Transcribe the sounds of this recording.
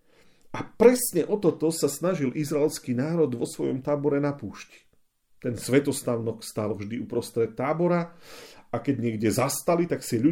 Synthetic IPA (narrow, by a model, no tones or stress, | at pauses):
ʔapɾɛsɲɛʔɔt̪ɔt̪ɔsasnaʒilʔizɾaɛlskiːnaːɾɔd̪ʋɔsʋɔjɔ̰mt̪aːbɔɾɛnapuːʃci̥ | t̪ɛnsʋɛt̪ɔst̪aʊnɔkst̪alvʒd̪iupɾɔst̪ɾɛt̪ːaːbɔɾa | akɛɟɲɪɛɡɟɛzast̪alit̪aksɪɛʎu